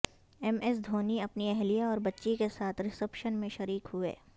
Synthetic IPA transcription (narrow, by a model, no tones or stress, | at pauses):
ɛmɛs̬d̪ʱoːniɐpniɛɦlijaɔːɾbɐtːʃikesaːt̪ʰɾɪsəpʃənmẽʃɐɾiːkɦʊḛː